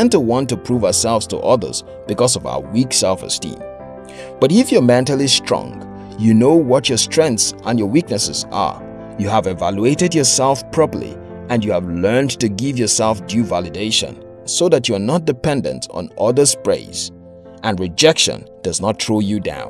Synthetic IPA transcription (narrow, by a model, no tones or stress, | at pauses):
ɛ̃ntəwɑ̃ntɨpʰɹ̥uvaəsɛlˠvz̥tʰə̰ʔʌðə̰˞z̥ | b̥ɨkɔzʌva̰ʊə̰˞wiksɛlˠfə̰stḭ̃m | b̥ʌɾɪfjə˞mɛ̃ntəl̩ˠistɹ̥ɔ̰̃ŋ | jɨnoʊwʌt͡ʃə˞stʰɹ̥ɛ̃ŋkθsʔə̃njə˞wik̚nɨsɨzə̰ | jɨəvɛvælueɪɾɨdjə˞sɛlˠfpʰɹ̥ɔpə̰˞lḭ | ɨ̃njɨəvlɜ̃˞ntɨɡɪvjɔ˞sɛlˠfdjuvælˠɨdeɪʃə̰̃n | soʊðæt͡ʃuə˞nət̚d̥ɨpɛ̃ndə̰̃ntʰn̩ʔʌðə˞zpɹḛɪz̥ | ʔɨ̃nɹɨd͡ʒɛkʃə̰̃nd̥ʌznət̚tʰɹoʊjɨdã̰ʊ̃n